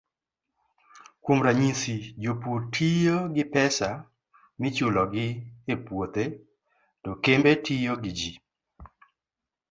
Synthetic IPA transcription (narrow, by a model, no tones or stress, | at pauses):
kwomɾaɲisid͡ʒoputʰijoɡɪpɛsa | mɪt͡ʃulɔɡɪepwot̪e | tokembetʰijoɡɪd͡ʒi